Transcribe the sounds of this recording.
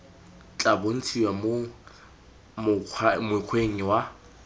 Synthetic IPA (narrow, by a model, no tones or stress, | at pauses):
t͡ɬʼabon̩t͡sʰiwamo | mʊmʊɪq͡χʰweŋ̩wa